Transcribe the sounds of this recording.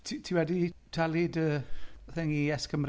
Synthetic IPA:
tʰitʰiwɛditʰalɪdəθɛŋiɛskəmr

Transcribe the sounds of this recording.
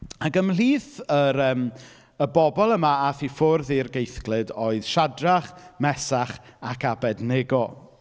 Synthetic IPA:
aɡəml̥iːθəɾəːm | əbɔbɔlˠəmaaθifʊrðirɡejθɡlˠɨdoɨð̥ʃadraχmɛsaχakʰabɛdneɡɔ

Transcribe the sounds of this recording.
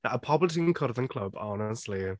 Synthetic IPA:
əpʰɔblətʰĩnkʰəɾðə̃nkʰl̥ˠəbɔnɛstˡli

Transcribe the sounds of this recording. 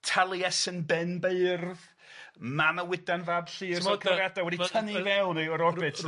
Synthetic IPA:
tʰalˠiɛsənbɛnbeɨrð | maməwɪdanvabɬiːrsɔkʰrɛvjadawɛdiwtʰənivɛlneɔɾɔrbɨtʰ

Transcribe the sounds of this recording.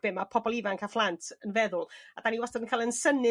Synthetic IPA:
b̥ɪmapʰɔbɔlˠivaŋkʰaflˠantʰənvɛðʊlˠad̥aniwastadənkʰaːlˠənsənɪ

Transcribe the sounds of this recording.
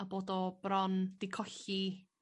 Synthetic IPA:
aboːdɔb̥ɾɔnd̥ɪkʰɔɬi

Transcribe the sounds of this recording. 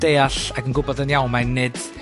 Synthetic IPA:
d̥eːaɬaɡənɡʊbɔðənjawmanːɨd̥

